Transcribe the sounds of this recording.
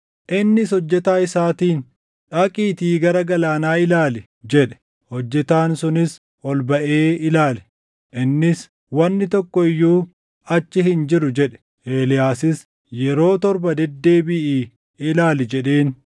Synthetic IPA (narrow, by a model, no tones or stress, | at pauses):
ʔɪnːɪshɔd͡ʒːɛt̪aːɪsaːt̪iːn | ᶑɐkʼiːt̪iːɡɐɾɐɡɐlaːnaːɪlaːlɪ | d͡ʒɛᶑɛ̥ | hɔd͡ʒːɛt̪aːnsʊnɪs | ʔɔlbɐʔeːɪlaːlɛ̥ | ʔɪnːɪs | wɐnːɪt̪ɔkːɔɪjːuː | ɐt͡ʃːɪɦɪnd͡ʒɪɾʊd͡ʒɛᶑɛ̥ | eːlɪjaːsɪs | jɛɾoːt̪ɔɾbɐd̪ɛd̪ːe̞ːbɪʔiː | ɪlaːlɪd͡ʒɛᶑeːn